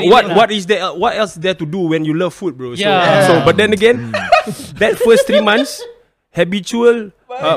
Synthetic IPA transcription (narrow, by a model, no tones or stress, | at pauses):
wɔt̚wɔtisdɛɛwɔtɛlsdɛtuduwɛ̃njuləvfut̚bɹoosobat̚dɛ̃nəɡɛ̃n | dɛt̚fəst̪ɹimãns | hɛbit͡ʃuəl